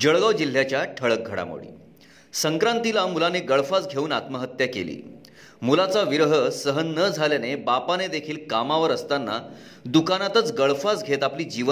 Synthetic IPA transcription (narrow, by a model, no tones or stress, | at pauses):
d͡ʑəɭɡaʋd͡ʑil̤ːjat͡ɕjaʈʰəɭək̚ɡʱəɽa̰mo̰ɽḭː | səŋkɾant̪ilamulaneɡəɭfat͡sɡʱeuːnat̪məɦət̪jəkḛlḭː | mulat͡saʋiɾɦəsəɦənːəd͡zʱaljanebapaned̪ekʰiːlkamaʋəɾəst̪anːa̰ | d̪ukanat̪ət͡sɡəɭfat͡sɡʱet̪apliːd͡ʑiʋə